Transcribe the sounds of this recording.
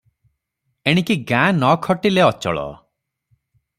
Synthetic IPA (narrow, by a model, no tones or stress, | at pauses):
eɽ̃ikiɡãnɔkʰɔʈileɔt͡ʃɔ̰ɭɔ̰